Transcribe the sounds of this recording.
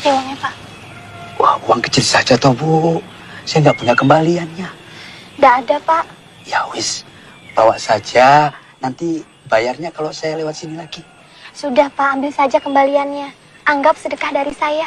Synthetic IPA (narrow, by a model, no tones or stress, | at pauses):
kewaŋɲapaʔ | wahuaŋkə̥t͡ʃilsad͡ʒat̪obuʔ | sajaŋɡaʔpuɲakəmbalianɲandaʔːdapaʔ | jawɪs | b̥awaʔsad͡ʒa | nant̪i | bajarɲakalosajalewat̪̚sinilaɡi | sudahpaʔːmbɪlsad͡ʒakəmbalianɲa | aŋɡap̚sədəkahdaɾisaja